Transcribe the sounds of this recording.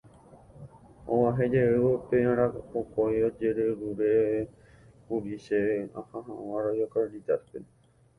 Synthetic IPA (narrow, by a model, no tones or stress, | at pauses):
õ̰waɦed͡ʒeeopeãɾaokojod͡ʒeɾeɾuɾe | puɾiʃeã̰hãɦãwãɾojokãnd̪id̪at̪̚pe